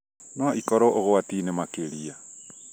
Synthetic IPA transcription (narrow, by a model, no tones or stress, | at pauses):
noʔikoɾoʔoɣowatinemakeɾia